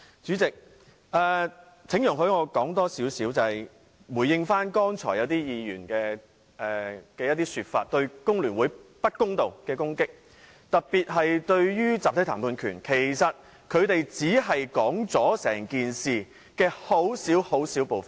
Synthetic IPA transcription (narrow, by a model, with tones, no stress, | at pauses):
t͡syː˨˥t͡sɪ˨k̚ | ʔɛː˨˩ | t͡sʰɪ˨˥ŋjʊ˨˩ŋɦɵ˨˥ɥŋɔː˨˧kɔː˨˥ŋt̪ɔː˥siː˨˥wsiː˨˥wt͡sɐ˨hɐ˨j | wuː˨˩jɪ˧ŋfaː˥nkɔː˥ŋt͡sʰɔ̰ː˨˩jɐ˨˧wt̪iː˥jiː˨˧jyː˨˩nkɛː˧ | ʔɛː˨kɛː˧jɐ˥t̪iː˥syː˧t̚fa̰ː˧t̚t̪ɵ˧ɥkʊ˥ŋlyː˨˩nwuː˨˥jpɐ˥t̚kʊ˥ŋt̪o˨wkɛː˧kʊ˥ŋkɪ˥k̚ | t̪ɐ˨k̚piː˨t̚ɦɐ˨jt̪ɵ˧ɥjyː˥t͡saː˨p̚t̪ʰɐ˨˥t̪ʰaː˨˩pʰuː˧nkʰy̰ː˨˩nkʰe˨˩jsɐ˨t̚ | kʰɵ˨˧ɥt̪e˨jt͡siː˨˥ɦɐ˨jkɔː˨˥ŋt͡sɔː˨˥sɛ̰ː˨˩ŋkiː˨nsiː˨ | kɛː˧ho˨˥wsiː˨˥who˨˥wsiː˨˥wpo˨wfɐ˨n